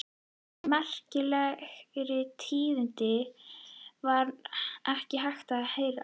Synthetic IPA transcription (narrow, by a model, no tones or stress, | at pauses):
mɛr̥cɪlɛɣɾɪt̪ʰiːðʏnt̪ɪ | vaɾɛhcɪɦajxt̪aheːjɾa